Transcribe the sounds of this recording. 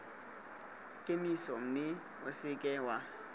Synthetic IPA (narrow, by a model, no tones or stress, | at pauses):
kʼenisɔm̩nɪ | ʊsɪkʼɛwa